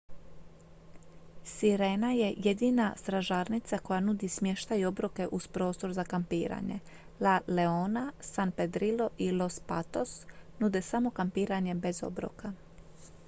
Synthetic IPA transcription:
siɾe̞ːnaje̞je̞d̪inast̪ɾaʒaːɾnit̪sako̞janud̪ismje̞ʃt̪ajo̞bɾoke̞ʔuspɾo̞ːst̪o̞ɾzakampiːɾa̰ɲe̞̰ | lale̞oːnasanpe̞d̪ɾilo̞ʔilo̞spat̪o̞snud̪e̞samo̞kampiːɾaɲe̞bezo̞̰bɾo̰ka

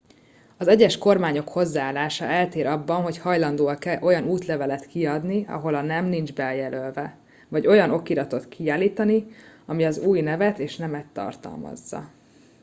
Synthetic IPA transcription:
ɒzɛɟɛʃko̞rmaːɲo̞kho̞zːaaːlːaːʃɒɛlt̪eːɾɒbːɒnɦo̞chɒjlɒnd̪oːɒkɛlʔo̞jɒnuːt̪lɛvɛlɛt̪kiɒd̪niɒ̰ɦo̞lɒnɛmnind͡ʒbɛljɛlølvɛ | vɒɟo̞jɒno̞kiɾɒt̪o̞t̪kʰiaːliːt̪ɒniɒmiɒzuːjnɛvɛt̪eːʃnɛmɛt̪ːɒ̰rt̪ɒ̰lmɒ̰zːɒ̰

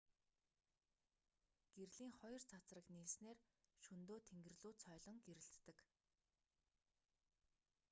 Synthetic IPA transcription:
ɡ̥erɮiːŋχɔjɞ̆rt͡sʰat͡srə̆kniːsneːrʃɵnt̪oːt̪ʰeŋɡɘ̆rɮuːt͡sʰœːɮɞ̆ŋɡeɾɘ̆ɬt̪ːɘ̆k

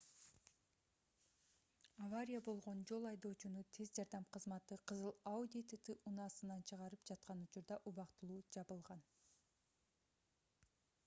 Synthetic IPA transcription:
avaɾʲijabo̞lˠʁo̞nd͡ʒo̞lˠɑjd̪o̞ːt͡ʃunut̪ʰe̞zd͡ʒɑɾd̪ɑmqʰɯzmɑt̪ɯqʰɯzɯlˠaud̪ʲit̪t̪ɨʔunɑːsɯnɑnt͡ʃʰɯʁɑɾɯpd͡ʒɑt̪̚qɑnut͡ʃuɾd̪ɑʔuβɑqt̪ɯlˠuːd͡ʒɑβɯlˠʁɑn

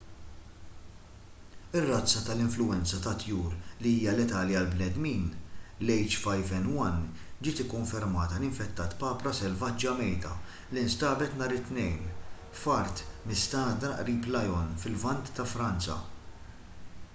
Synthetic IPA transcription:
ɪrːɐt͡sːɐt̪ɐlɪɱflʊɛnt͡sɐt̪ɐt̪juːɾliiːjɐlɛt̪ɐːliɐlbnɛd̪miːnlɛjt͡ʃfɐjfɛnwɐn | d͡ʒɪːt̪ɪkːɔɱfɛɾmɐːt̪ɐlɪɱfɛt̪ːɐːt̪pɐːpɾɐsɛlvɐt͡ʃːjɐmɛjd̪ɐ̰ | lɪnst̪ɐːbɛt̪nɐːɾɪt̪ːnɛjn | fɐɾt̪mɪst̪ɐːd̪ɐʔɾiːplɐjɔnfɪlvɐnt̪ːɐfɾɐnt͡sɐ̰

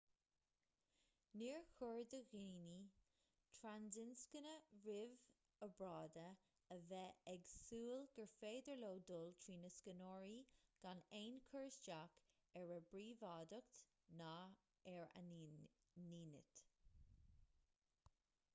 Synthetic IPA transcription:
niɹxʊɹd̪əɣiːni | t̪ʰɹandɪnskənəɹɪv | əbɹɑːd̪ə | əvɛɛɡsuːlɡ̥əɹfeːd̪əɹloːd̪olt̪ʰɹiːnəskənɔːɹiɡ̥aneːnkʰəɹsd͡ʒak | ɛɹəbɹiːvɑːd̪ʊk̚t̪ | na | ɛɹa̰ | niːnɪ̰t̪

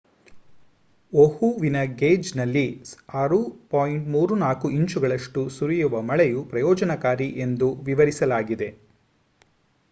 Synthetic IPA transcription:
ohuʋinɐɡeːd͡ʒnɐlːiɐɾupaːjiɳʈmuːɾunaːkuiɲt͡ʃuɡɐɭɐʂʈusuɾijuʋɐmɐɭɛjupɾɐjɔːd͡ʒɐnɐkaːɾiʔe̞nd̪uʋiʋɐɾisɐlaːɡid̪e̞

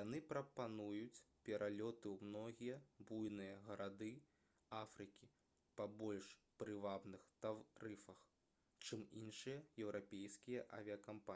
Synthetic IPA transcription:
janɨpɾɐpanujut͡sʲpʲɛɾʔalʲɔt̪ɨwmnɔɣʲijɐbujnɨjɐɣɐɾad̪ɨ | afɾɨkʲi | pɐbɔlʲʂpɾɨvabnɨxt̪arɨfɐx | t͡ʂɨminʂɨjɐjɛwɾʔapʲejskʲijɐʔɐ̰vʲiɐkampa

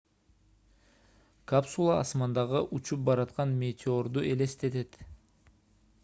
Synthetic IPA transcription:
kapsulˠɑ̰ːsmɑnd̪ɑʁɯʔut͡ʃup̚bɑɾɑt̪qɑnmʲet̪ʲʰɪo̞ɾd̪uʔe̞le̞st̪e̞t̪e̞t̪

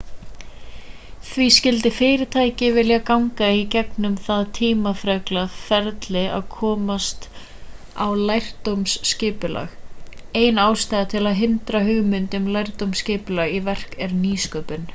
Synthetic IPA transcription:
θviscɪlt̪ɪfɪːɾɪt̪ʰaːjcɪvɪljakawŋkaicɛknʏmθaðt̪ʰiːmafɾœklafɛɾt̪lɪa̰ðkʰɔːmast̪ | awlajr̥t̪owmscɪːpʏla̰ɣeːjnaːwst̪ajðat̪ʰɪlaðɦɪnt̪ɾaɦʏɣmʏnt̪ʏmlajr̥t̪owmscɪːpʏlaɣivɛr̥kɛɾniːskœːpʏn

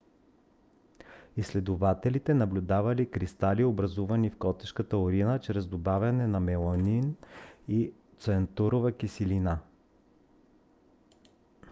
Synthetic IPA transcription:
islɛd̪ʊvat̪ɛlit̪ɛnɐblʲʊd̪avɐlikɾist̪aliobɾɐzuvɐnifkɔt̪ɛʃkət̪əʊɾinət͡ʃɾɛzd̪obavʲɐnɛnɐmɛlˠonini | t̪sɛnt̪uɾovəkisilina

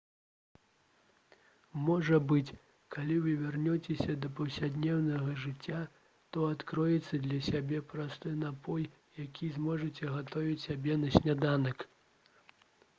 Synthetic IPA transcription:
mɔʐɐbɨt͡sʲ | kʰalʲivɨvʲɛrnʲɔt͡sʲɛsʲɐd̪ɐpɐwsʲad̪nʲɛwnɐɣɐʐɨt͡sʲːa | t̪ɔat̪kɾɔjɛt̪sːɐd̪lʲɐsʲabʲɛpɾast̪ɔjnapɔj | jakʲizmɔʐɐt͡sʲɛɣat̪ɔvʲit͡sʲsʲabʲɛnɐsʲnʲad̪anɐk

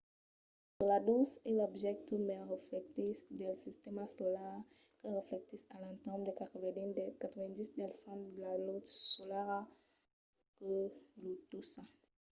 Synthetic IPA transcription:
səlad̪uselɔbʒɛk̚t̪əmɛʁeflɛk̚t̪isd̪ɛlsist̪emasɔlaʁ | kəʁeflɛk̚t̪isalɑ̃t̪ɛʁmd̪ekat̪χəvɛnid̪ɛkat̪ʰəvɛ̃nd̪isd̪ɛlsɑ̃d̪lalot̪solaʁa | kəlut̪usã

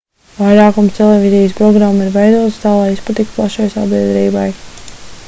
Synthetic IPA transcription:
vajɾaːkumst̪elˠevizijspɾɔɡɾamːiɾvɛjd̪uɔt̪st̪aːlˠajispat̪ikʲplˠaʃajsa̰biɛd̪ɾiːbaj

